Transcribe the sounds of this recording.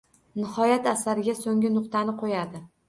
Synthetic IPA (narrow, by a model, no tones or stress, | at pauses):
nɪhɒjat̪asaɾɪɡʲasoŋʲɪnʊqt̪ʰanɪqʰojad̪ɪ